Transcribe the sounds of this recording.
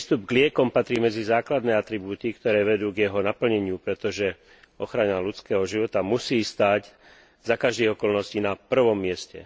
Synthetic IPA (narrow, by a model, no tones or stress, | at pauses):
st̪ubɡlɪɛkɔmpat̪ɾiːmɛd͡zizaːklad̪nɛːat̪ɾibuːt̪ikt̪ɔɾɛːʋɛd̪uːɡjɛɦɔnapl̩ɲɛɲɪupɾɛt̪ɔʒɛ | ɔxɾanalut͡skɛːɦɔʒiʋɔt̪amusiːst̪aːɟ | zakaʒd̪iːɣɔkɔlnɔsciːnapr̩ʋɔmːɪɛscɛ̰